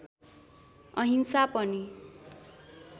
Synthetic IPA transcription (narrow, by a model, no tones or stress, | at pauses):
ʌɦinsapʌni